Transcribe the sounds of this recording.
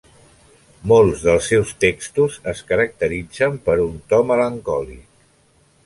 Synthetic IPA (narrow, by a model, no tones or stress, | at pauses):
molˠzðəlˠsːɛwst̪ekst̪uzəskəɾək̚t̪əɾid͡zəmpəɾunt̪ɔmələŋkɔlḭk̚